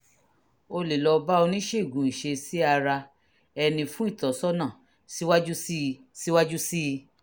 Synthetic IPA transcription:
o˧le˨lɔ˧ba˦o˧nĩ˦ʃe˦i˨ɡũ˨˦ĩ˨ʃe˧si˦a˧ɾa˧ | ɛ˧nĩ˧fũ˦i˦˨tɔ˨˦sɔ˦nã˦˨ | si˦wa˦d͡ʒu˦si˦ | si˦wa˦d͡ʒu˦si˦˧

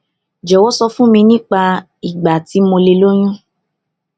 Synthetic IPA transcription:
d͡ʒɛ˨wɔ˦sɔ˧fũ˦mĩ˧nĩ˦k͡pa˧ | i˨ɡ͡ba˨ti˨˦mo˧le˧lo˦j̃ũ˦

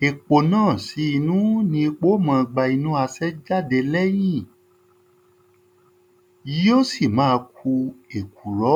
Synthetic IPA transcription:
e˨k͡po˨nãː˦˨si˨˦i˧nũ˦nĩ˧i˧k͡po˦mã˧ɡ͡ba˧i˧nũ˨˦a˧sɛ˦d͡ʒa˦˨de˧lɛ˦j̃ĩ˦˨ | ji˦o˦˨si˦˨mãː˨˦˧kʰu˧e˨ku˨ɾɔ˨˦

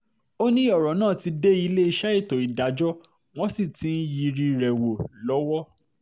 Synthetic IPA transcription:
o˦nĩ˦ɔ˦˨ɾɔ˨˦nãː˦˨ti˧de˦i˧le˦i˧ʃa˦e˦˨to˨i˨da˨˦d͡ʒɔ˦ | w̃ɔ̃˦si˦˨tĩ˨˦n̩˦ji˧ɾi˧ɾɛ˨wo˨lɔ˨˦wɔ˦

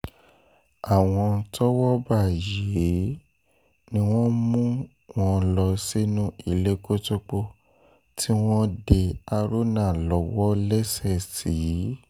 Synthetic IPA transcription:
a˨w̃ɔ̃˧tɔ˦wɔ˦ba˦˨je˨˦ | nĩ˦w̃ɔ̃˦mũ˦ | w̃ɔ̃˧lɔ˧si˦nũ˦i˦˨le˦ko˦to˦k͡po˦ | tʰi˦w̃ɔ̃˦de˧a˧ɾo˦nã˦˨lɔ˨˦wɔ˦lɛ˦sɛ˦˨si˨˦

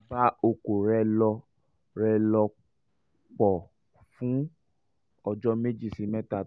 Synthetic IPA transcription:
ba˦o˧ko˨ɾɛ˧˦lɔ˧ | ɾɛ˧lɔ˧ | k͡pɔ˨ | fũ˨˦ | ɔ˧d͡ʒɔ˦me˦d͡ʒi˦˨si˧mɛ̃˦ta˦˨

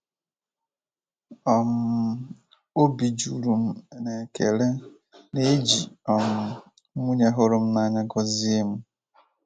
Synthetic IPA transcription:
ɔ˨m̩˦ | o˦bi˨d͡ʒu˨ɾu˨m̩˦˨ne˨ke˨le˦ | ne˦d͡ʒi˨ɔ˨m̩˨˦ | mu˦ɲe˦ɦʊ˦ɾʊ˨m̩˦na˨ɲa˦ɡɔ˦zi˦e˦m̩˦

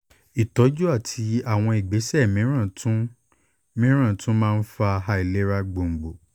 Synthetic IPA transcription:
i˨tɔ˨˦d͡ʒu˦a˦˨tʰi˧a˦˨w̃ɔ̃˧i˨ɡ͡be˨˦sɛ˦˨mĩ˨˦ɾ̃ã˦˨tũ˦ | mĩ˦ɾ̃ã˦˨tũ˦mãː˦˧n̩˦fa˧ɦa˧i˨le˦ɾa˧ɡ͡bo˨ŋ͡m̩˨ɡ͡bo˨

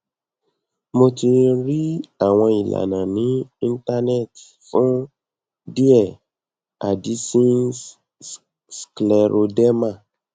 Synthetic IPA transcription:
mo˧ti˧ɾi˦a˦˨w̃ɔ̃˧i˨la̰˨nã˨nĩ˨˦ĩ˧n˦ta˧nɛ˦˨t | fũ˦ | di˦ɛ˦˨ | a̰˨di˨˦sĩ˦ | sklɛ˧ɾo˧dɛ˦mã˦˨

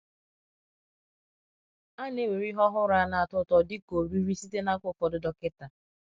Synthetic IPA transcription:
a˦ne˦we˨ɾi˦ɦɔ˦ɦʊ˦ɾa˦na˨a˨tʊ˦tɔ˨dɪ˦ko˨ɾu˦ɾi˦si˦te˦na˦kʷʊ˦fɔ˨dʊ˦dɔ˦kɪ˦ta˨

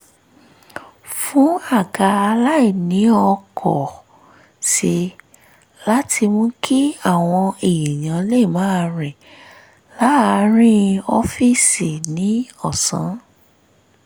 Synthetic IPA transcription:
fũ˨˦a˦˨ɡa˧a˧la˦i˦˨nĩ˨˦ɔ˧kʰɔ˨ | ʃe˧ | la˦tʰi˧mũ˦kʰi˦a˦˨w̃ɔ̃˧e˨ji˨j̃ã˨˦le˦˨mã˨˦˧ɾɛ˨ | la˦a˧ɾ̃ĩ˦ɔ˦fi˦˨si˨nĩ˨˦ɔ˦˨sã̰˨˦

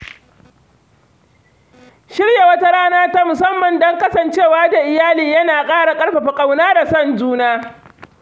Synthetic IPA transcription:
ʃɪ˦ɽja˨wɐ˦ta˦ɾaː˦naː˦ta˦mʊ˨sɐ˦mːɐ˨ndɔ˦ŋkɐ˦sɐ˨nt͡ʃeː˦˨waː˦da˨ʔɪ˨jaː˦liː˨jɐ˦naː˨kʼaː˦ɽa˨kʼɐ˦ɽɸa˨ɸa˨kʼa˨wnaː˦da˨sɐ˦˨nd͡ʒuː˦naː˦

